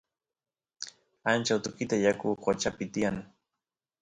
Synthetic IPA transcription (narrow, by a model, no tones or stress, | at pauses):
ant͡ʃawt̪ʊkɪt̪ajakʊqot͡ʃapɪt̪ɪjaŋ